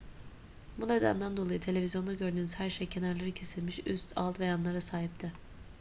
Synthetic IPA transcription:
bune̞d̪æ̰nd̪ænd̪o̞lˠajɯt̪ʰe̞lʲe̞vizjo̞nd̪aɟø̞ɾd̪yːnyz̥hæɾʃejcʰe̞næɾlʲeɾicʰe̞silʲmiʃyst̪ʰa̰lˠt̪vejanlˠaɾasaːɦip̚t̪ʰɪ

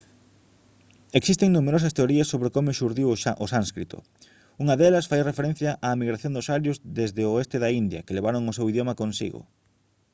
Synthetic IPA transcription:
eksist̪eŋnumeɾosɐst̪eoɾiɐsːoβɾekomʊʃuɾðiwʔʊsãnskɾit̪o̰ | uŋɐðelɐsfajrefeɾẽn̟θjɐʔamiɣɾaθjõnd̪ʊsaɾjʊzðezðeoest̪eðɐind̪jɐ̰keleβaɾoŋʊsewiðjomɐkõnsḭɣʊ̰

